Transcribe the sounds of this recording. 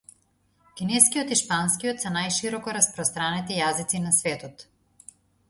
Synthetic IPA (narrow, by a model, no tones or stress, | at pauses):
kʲinɛskijɔt̪iʃpanskijɔt̪sɛnajʃiɾɔkɔɾaspɾɔst̪ɾanit̪ijazit̪sinasvɛt̪ɔt̪